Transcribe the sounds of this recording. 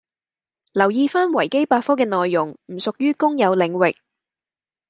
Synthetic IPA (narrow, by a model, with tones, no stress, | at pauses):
lɐ˨˩wjiː˧faː˥nwɐ˨˩jke˥jpaː˧t̚fɔː˥kɛː˧nɔː˨˧jːʊ˨˩ŋm̩˨˩sʊ˨k̚jyː˥kʊ˥ŋjɐ˨˧wlɪ˨˧ŋwɪ˨k̚